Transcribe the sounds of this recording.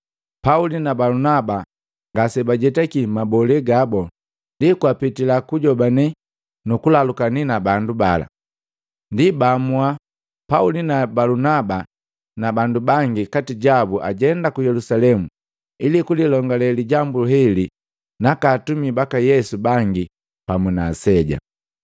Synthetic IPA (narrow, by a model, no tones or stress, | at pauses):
paulinabalunaba | ŋɡasɛbaɟɛtɛkimabɔlɛɡabɔ | ndikuapitilakuɟɔbanɛ | nukulalukaninabanduba̰la̰ | ndibamua | paulinabalunaba | nabandubaŋɡikatiɟabuʔa̰ɟɛndakujɛlusalɛmu | ilikulilɔŋɡalɛliɟambuɦɛli | nakaːtumibakajɛsubaŋɡi | pamuna̰sɛɟa̰